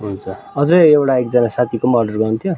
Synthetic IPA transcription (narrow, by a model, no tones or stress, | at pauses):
ɦunt͡sʰʌ | ʌd͡zʌewʈaekd͡zʌnasat̪ʰikomʌrɖʌrɡʌunt̪ʰjo